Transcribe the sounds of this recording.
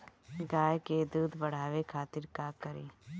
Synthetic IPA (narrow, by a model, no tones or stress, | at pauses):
ɡaːjked̪uːd̪bɐɽ̤aːʋekʰaːt̪ɪɾkaːkɐɾḭː